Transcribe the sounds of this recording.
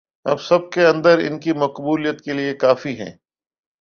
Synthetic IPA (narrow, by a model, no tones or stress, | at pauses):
ɐ̰bsɐb̚keɐ̃nd̪əɾɪ̰nkimɐqbuːlijət̪keliekaːfiɦɛ̰̃ː